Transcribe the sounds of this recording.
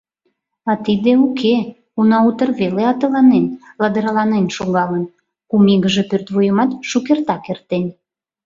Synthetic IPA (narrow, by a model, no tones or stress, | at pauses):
ɑt̪id̪eukʰe | unɑut̪ərβeleɑt̪ə̆lɑnenlɑd̪əɾɑlɑnenʃoɣɑlən | kumiɣəʒepørt̪βujəmɑt̪ʃukert̪ɑkert̪enʲ